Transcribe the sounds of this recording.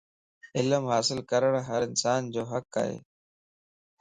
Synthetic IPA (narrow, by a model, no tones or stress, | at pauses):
ɪləmɦaːsɪlkəɾəɽ̃ɦəɾɪnsaːnd͡ʑoːɦəkːa̰ːɦḛː